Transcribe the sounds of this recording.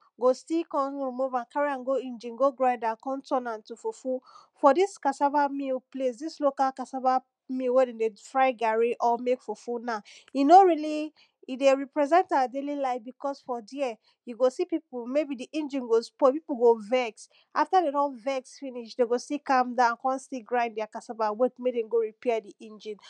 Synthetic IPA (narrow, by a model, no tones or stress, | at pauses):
ɡostikɔ̃nɹimuvãnkaɹiãnɡoĩnd͡ʒĩnɡoɡɹaɪdakɔ̃ntʰɔ̃nãntufufufɔdiskasavamilples̬dislokalkasava | milwɛdɛ̃defɹaɪɡaɹiʔɔmekfufunajunoɹili | ideɹipɹɛzɛ̃ntaadelilaɪbikɔsfɔdiɛ | juɡosipipumebidiʔĩnd͡ʒĩnɡospɔpipuɡovɛks | ʔaftadeɾɔ̃nvɛksfiniʃdeɡosikãmdãnkɔ̃nstiɡɹãɪ̃ndɛakasabawetmedẽmɡoɹipɛdiʔĩnd͡ʒĩn